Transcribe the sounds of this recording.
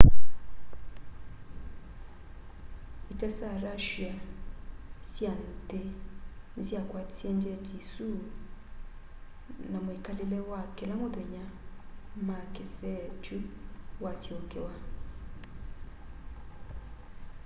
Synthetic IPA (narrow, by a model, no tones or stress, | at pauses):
itasaɾaʃia | sjan̩ten̩sjakwati̥sjɛnd͡ʒɛtisu | namoikalelɛwakɛlamʊðɛɲa | makɪsɛt͡ʃuwasjokewa